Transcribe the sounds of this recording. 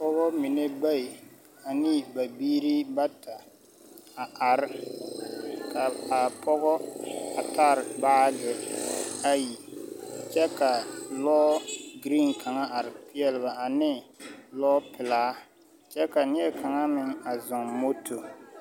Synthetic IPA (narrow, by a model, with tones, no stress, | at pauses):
pɔ˦ɣɔ˦mi˨ne˦ba˦˨i˨ | a˨nɪ˦˨ba˨biː˦ɾi˦ba˦ta˨ | a˨a˨ɾɪ˦ | ka˨a˨pɔ˦ɣɔ˦a˨ta˦ɾɪ˨baː˦ɡɪ˨ | a˦ji˨t͡ʃɛ˦ka˨lɔː˦ɡɾi˦˨nkʰa˨ŋa˦a˨ɾɪ˨pɪ˦ɛ˦lɪ˨ba˨a˨nɪ˦lɔː˦pɪ˨laː˨˦ | t͡ʃɛ˦ka˨nɪ˦ɛ˦ka˨ŋa˦mɪ˦ŋa˨zɔ˨ŋmo˦tʰo˨